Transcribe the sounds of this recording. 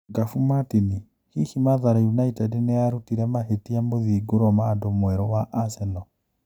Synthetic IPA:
ɡafumatini | hihimaðaɾajunaitɛdneaɾutiɾɛmahetiamoðiːɡoɾɔmadomwɛɾɔwaʔasɛnɔ

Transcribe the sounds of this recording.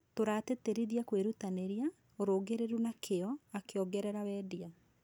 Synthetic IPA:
toɾaːteteɾiðiakweɾutaneɾia | oɾoːɡeɾeɾunakʰeɔakeɔɡɛɾɛɾawɛːdia

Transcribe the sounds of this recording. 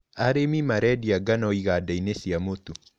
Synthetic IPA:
aɾemimaɾɛdiaɡanɔiɣadainesiamotu

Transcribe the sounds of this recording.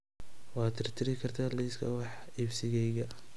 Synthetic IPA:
wɑːt̪ʰɪrt̪ʰɪɾɪkʰɐrt̪ʰaːliskʰɐ̰wɑħɪfsɪɣɛjɣɐ

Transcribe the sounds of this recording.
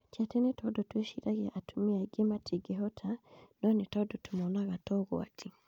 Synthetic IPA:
tatɛnɛtɔdɔtwɛʃiɾaɣɛʔatʰumiaɡematʰiɡɛɦɔtʰanɔnɛtɔdɔtumɔlaɣatɔɣɔ̰a̰tʰi

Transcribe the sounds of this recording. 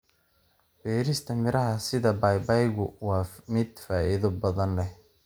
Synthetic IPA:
b̥ɛːɾɪst̪ʰɐmɪɾɐɦɐsɪðɐbɑjbɑjɣʊwɑːmɪd̪faːʔɪðɔbɐðɐnlɛh

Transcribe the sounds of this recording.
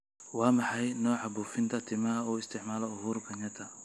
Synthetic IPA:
wɑːmɑħɑjnɔːʕɑbuːfɪnt̪ʰɐt̪ʰɪmɐɦɐɔːɪst̪ʰɪʕmaːlɐʊɦuːɾbɐɲɐt̪ʰɐ

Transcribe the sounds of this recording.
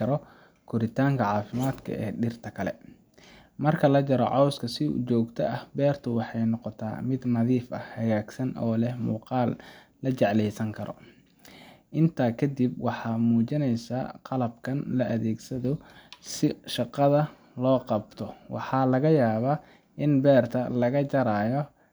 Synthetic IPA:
ɐɾɔ | kʰʊɾɪt̪ʰaːŋkʰɐʕɑːfɪmaːd̪kʰɐ̰ʔɛ̰ːɖɪrt̪ʰɐkʰɐlɛ̰ | mɐrkʰɐlɐt͡ʃɐɾɔ̰ʕɔwskʰɐsɪʊ̰t͡ʃɔːɡt̪ʰɐʔɐhbɛːrt̪ʰʊwɑħɑjnɔqɔt̪ʰa̰ːmɪd̪nɐðiːfɐ̰hɐɣaːɡsɐnʔɔ̰ːlɛhmṵːqɑːlː | ɐt͡ʃɛʕlɛjsɐŋkʰɐɾɔ̰ | ʔɪnt̪ʰaːkʰɐd̪ibwɑħɑːmuːt͡ʃɪnɛjsa̰ːqɑlɐbkʰɐnlɐʔɐðɛːɡsɐðɔsɪʃɑqɑðɐ | lɔːqɑbt̪ʰɔwɑ̰ħɑːlɐɣɐjaːβaː | ʔɪnbɛːrt̪ʰɐlɐɣɐt͡ʃɐɾaːjɔ

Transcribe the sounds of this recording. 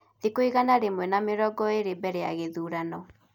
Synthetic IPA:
ðekoiɣanaɾemwɛnameɾɔɡɔeɾebɛɾea̰ɣeðuːɾanɔ

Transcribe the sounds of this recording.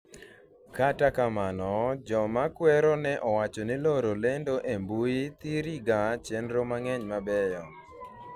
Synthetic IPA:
katakamanɔd͡ʒɔmakwɛɾɔnɛʔɔwat͡ʃɔniloɾolendoʔembuit̪iɾiɡat͡ʃendɾomaŋɛɲmabɛjɔ

